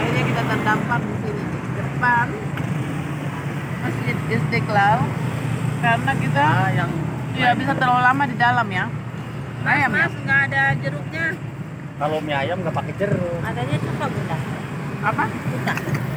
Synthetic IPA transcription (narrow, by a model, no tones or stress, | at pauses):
inikit̪at̪ənt̪aŋlaŋkuɾ | ɡərbar | masiɪst̪eklal | karənaɡit̪ajaŋ | ijabisat̪əɾalamadidalamja | ajamasŋɡaːdad͡ʒəɾʊk̚ɲa | kalomiajamɡapakɛd͡ʒəɾʊadaɲat͡ʃat̪abut̪aha | apabut̪ah